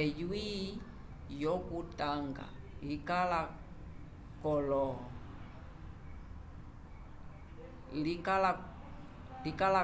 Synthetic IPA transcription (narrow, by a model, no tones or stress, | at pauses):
ɛjwi | jɔkutaŋɡa̰likala | kɔlɔ | likala | likala